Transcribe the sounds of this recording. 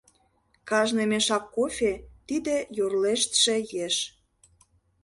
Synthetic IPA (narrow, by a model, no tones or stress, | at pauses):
kɑʒnemeʃɑkːofʲet̪id̪ĕjorleʃt̪ʃĕjeʃ